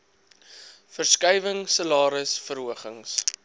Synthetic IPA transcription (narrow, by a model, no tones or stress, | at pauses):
fərskɐjvəŋsəlɑːɾəsfəɾɦuəχəŋs